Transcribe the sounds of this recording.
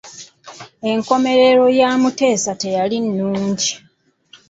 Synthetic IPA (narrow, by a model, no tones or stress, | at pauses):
e̞ŋko̞me̞ɾe̞ɾo̞jaːmute̞ːsate̞jalinːuːɲɟi